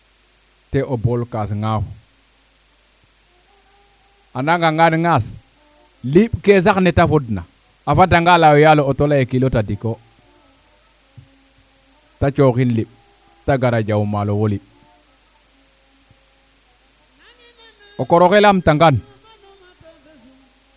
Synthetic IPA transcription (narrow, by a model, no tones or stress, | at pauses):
teʔobolkas̬ŋaw | anaŋɡaŋanŋas | liɓkes̬aknetafodna̰ | afadaŋɡalawojalootolajekilotadiko | tat͡ʃokinliɓ | taɡaɾad͡ʒawmalowoliɓ | okoɾokelamtaŋɡan